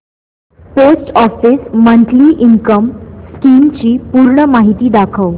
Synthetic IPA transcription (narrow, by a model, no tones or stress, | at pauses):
posʈɔfiːsmənʈliːʔiŋkəmskiːmt͡ɕiːpuːɾɳəmaɦit̪iːd̪akʰəw